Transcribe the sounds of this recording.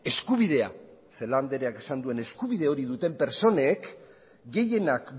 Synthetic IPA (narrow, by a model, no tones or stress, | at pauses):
e̞skuβ̞iðe̞a̰se̞land̪e̞ɾeake̞sand̪ue̞ne̞skuβið̞e̞o̞ɾiðut̪e̞mpe̞ɾt͡so̞ne̞k | ɡe̞je̞nak